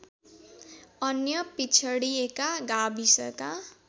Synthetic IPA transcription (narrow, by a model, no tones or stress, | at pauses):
ʌnjʌpit͡sʰʌɽiekaɡabisʌka